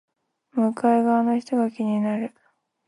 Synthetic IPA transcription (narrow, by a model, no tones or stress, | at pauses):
mɯ̟kaeɡaːnoçi̥t̪o̞ɡakʲiɲ̟inaɾɯ̟